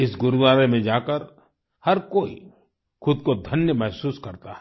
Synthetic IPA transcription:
ɪsɡʊɾd̪aːɾemẽd͡ʒaːkəɾ | hɐɾkoːḭ | xʊd̪kod̪ʱɐnjəmɛɦsuːskɐɾt̪aɦɛ

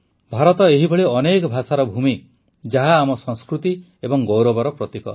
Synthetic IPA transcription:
bʱaɾɔt̪ɔeɦibʱɔɭiɔnekɔbʱasaɾɔbʱumi | d͡ʒaɦaːmɔsɔ̃ŋskɾut̪i | ebɔŋɡowɾɔbɔɾɔpɾɔt̪ikɔ̰

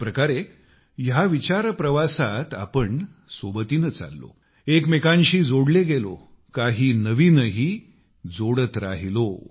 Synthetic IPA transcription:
pɾəkaɾe | jaʋit͡ɕaɾpɾəʋasat̪a̰pəɳ | sobət̪iːnət͡sa̰lːo̰ | ekmekãɲɕiːd͡zoɽleɡelo̰ | kaɦiːnəʋiːnəɦiː | d͡zoɽət̪ɾa̰ɦilo

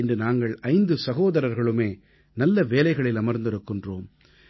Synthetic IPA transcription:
ɛndɯnaːŋɡɐɭɐɪnd̪ɯsɐɣoːðɐɾɐɾɣɐɭɯmeː | nɐlːɐʋeːlɐɪɣɐɭɪlɐmɐɾnd̪ɪɾɯkːɪndroːm

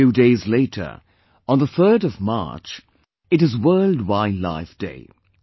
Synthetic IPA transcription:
ʉdeɪzleɪɾʰə̰˞ | ə̃nðəθɜ˞ɾʌvmɑ̰ɹt͡ʃ | ɨɾɨzwɜ˞lˠd̚waɪdˡla̰ɪfd̥ḛɪ

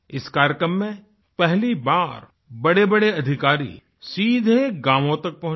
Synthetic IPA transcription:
ɪskaːɾjəkɾəmːẽ | pɛɦlibaːɾ | bɐɽebɐɽeɐd̪ʱɪkaːɾḭ | siːd̪ʱeɡãːmõt̪ɐk̚pɐɦʊ̃

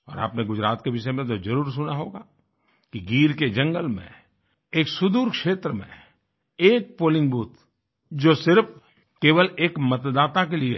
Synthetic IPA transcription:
ɔ̰ːɾa̰ːpneɡʊd͡ʒɾaːt̪keʋɪʃemẽt̪̬ozɐɾuːɾsʊnaɦoːɡaː | kiɡiːɾked͡ʒɐ̃ŋɡəlmḛ̃ | eːksʊd̪uːɾkʃeːt̪ɾəmḛ̃ | eːk̚poːlɪ̃ŋɡbuːt̪ | d͡ʒoːsɪɾf | keːʋəleːkmɐt̪d̪aːt̪akelie

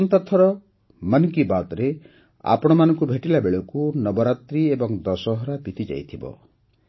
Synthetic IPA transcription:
ɔnt̪at̪ʰɔɾɔ | manukibat̪ɔɾe | a̰pɔɽ̃ɔmanɔŋkubʱeʈilabeɭɔkunɔbɔɾat̪ɾiebɔŋd̪ɔsɔɦɔɾabit̪id͡ʒa̰jt̪ʰibɔ̰

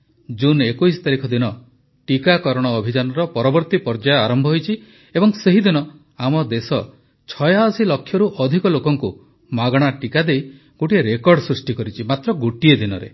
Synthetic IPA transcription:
d͡ʒunekujsɔ̥t̪aɾikʰɔd̪inɔ | ʈikakɔɾɔɽ̃ɔːbʱid͡ʒanɔɾɔpɔɾɔbɔɾt̪ipɔɾd͡ʒajɔaɾɔmbʱɔɦojt͡ʃʰi | ebɔŋseɦid̪inɔ | amɔd̪esɔ | t͡ʃʰɔjaɔsilɔkʰjɔɾuʔɔd̪ʱikɔlokɔŋku | maɡɔɽ̃aʈikad̪ej | ɡ̥oʈieɾekɔɾɖsɾusʈikɔɾit͡ʃʰimat̪ɾɔɡoʈied̪inɔ̰ɾḛ

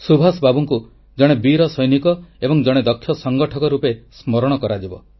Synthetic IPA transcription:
subʱasbabuŋku | d͡ʒɔɽ̃ebiɾɔsɔjnikɔebɔŋd͡ʒɔɽ̃ed̪ɔkʰːjɔsɔŋɡɔʈʰɔkɔɾupesmɔɾɔɽ̃ɔkɔɾad͡ʒibɔ̰

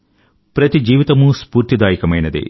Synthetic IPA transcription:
pɾɐt̪id͡ʒiːʋit̪ɐmuspuːɾt̪id̪aːjikɐmɐjnɐd̪ḭ

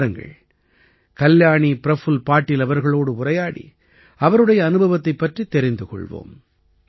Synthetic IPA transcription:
ɾɐŋɡɐ̰ɭ | kɐljaːɳipɪɾɐfɯlpaːʈːɪlɐʋɐɾɣɐɭoːɽɯʊrɐjaːɽḭ | ɐʋɐɾɯɽɐjɐːnɯbʱɐʋɐt̪ːɐɪpːɐʈrit̪ːɛɾɪnd̪ɯkɔ̰ɭʋo̰ːm

